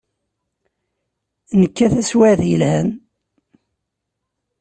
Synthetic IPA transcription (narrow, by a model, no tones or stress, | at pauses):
nəkːæθæswæðjəlhæn